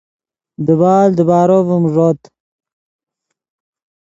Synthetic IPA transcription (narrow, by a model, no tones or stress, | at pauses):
d̪əβaːld̪əbaːɾovumʐot̪